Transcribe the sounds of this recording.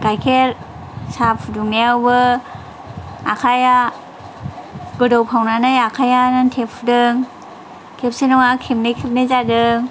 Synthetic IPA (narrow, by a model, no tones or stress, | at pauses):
ɡajkʰeɾ | sap̚ʰuduŋneawbɯ | akʰaja | ɡɯdɔwpʰawnanɯjakʰajanantʰep̚fʰudɯŋ | kʰep̚senɔŋakʰep̚nɯjkʰep̚nɯjzadɯŋ